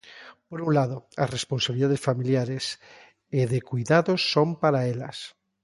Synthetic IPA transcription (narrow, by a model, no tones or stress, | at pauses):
poɾunlaðoasresponsaβiliðaðesfamiljaɾes | eðekujðaðosːompaɾaelas